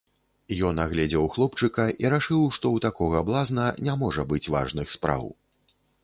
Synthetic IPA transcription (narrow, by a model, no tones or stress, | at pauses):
jɔnaɣlʲɛd͡zʲɛwxlˠɔpt͡ʂɨkɐʔiɾaʂɨwʂt̪ɔwt̪akɔɣɐːblˠaznɐnʲamɔʐɐbɨt͡sʲva̰ʐnɨxspɾa̰w